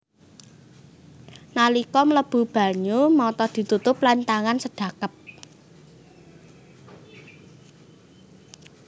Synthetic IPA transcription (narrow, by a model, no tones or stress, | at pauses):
nalikɔmələb̥ṳb̥ä̤ɲumɔt̪ɔd̪̥i̤t̪ut̪ʊplant̪aŋansəɖ̥a̤kəp̚